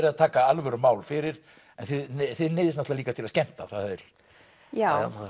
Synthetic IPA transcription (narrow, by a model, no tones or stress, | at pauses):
ɾɪaðt̪ʰaːkaalvœɾʏmaːwlfɪɾɪɾ̥ | ɛnθɪðθɪðnɪːðɪsnɛht̪laliːkat̪ʰɪlaðscɛm̥t̪aθahðɪɾ̥ | ja